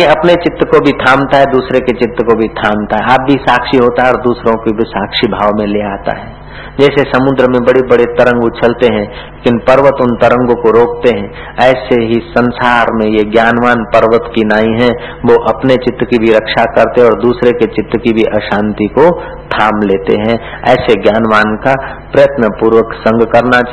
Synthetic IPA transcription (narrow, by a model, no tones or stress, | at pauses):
iɐpnet͡ʃɪt̪ːəkobʱit̪ʰaːmt̪aɦɛd̪uːsɾeket͡ʃɪt̪ɾəkobʱit̪ʰaːmt̪aɦɛaːp̚bʱisaːkʃiɦoːt̪aɦɛɔːɾd̪uːsɾõkibʱisaːkʃibʱaːʋmẽleaːt̪a̰ɦɛː | d͡ʒɛːsesɐmʊ̃nd̪ɾəmẽbɐɽibɐɽet̪ɐɾə̃ŋɡut͡ʃʰɐlt̪eɦɛ̃ | lːkɪnpɐɾʋət̪ʊnt̪ɐɾə̃ŋɡõkoɾoːk̚t̪eɦɛ̃ | ɛːseɦisɐ̃nsaːɾmẽjeɡjaːnʋaːnpɐɾʋət̪kinaːĩɦɛ̃ | ʋoʔɐpnet͡ʃɪt̪ɾəkibʱiɾɐkʃakɐɾt̪eɦɔːɾd̪uːsɾeket͡ʃɪt̪ɾəkibʱiʔɐʃãːnt̪iko | t̪ʰaːmleːt̪ḛɦɛ̃ | ɛːseɡjaːnʋaːnka | pɾɐjət̪nəpuːɾwəksɐ̃ŋɡkɐɾna